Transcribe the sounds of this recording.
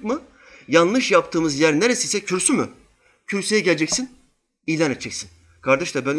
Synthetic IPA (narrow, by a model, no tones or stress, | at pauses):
kmɯ | janlˠɯʃjap̚t̪ʰɯːmɯzjæɾneɾesijsɛcʰyɾsymy | cʰyɾsejɛɟelʲed͡ʒɛcsin | ijlʲanet̪ʰːd͡ʒʰɛcʲsin | kʰaɾd̪eʃt̪ˠabæn